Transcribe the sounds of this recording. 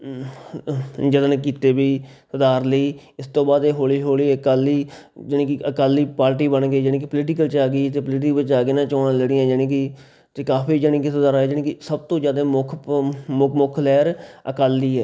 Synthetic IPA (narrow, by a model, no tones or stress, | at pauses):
d͡ʒəd̪nkiːt̪eːbiːsəd̪aːɾləiː | ɪst̪õːbaːd̪eɦoːliːɦoːliːəkaːliː | d͡ʒɪnːkɪʔəkaːliːpaːɾʈ̬iːbənɡeːd͡ʒənẽːk̬ɪpəlɪʈɪkəlt͡ʃaːɡiːt̪eːpəlɪʈ̬ɪkbɪt͡ʃaːɡeːnãːt͡ʃɔːnãːləɽɪjãːd͡ʒənẽːkɪ | t̪eːkaːpʰiːd͡ʒəɽĩːk̬isəd̪aːɾɛːd͡ʒənẽːkɪsəb̚t̪õːd͡ʒjaːd̪ẽːmʊkʰmʊmʊkʰlɛːɾəkaːliːɛː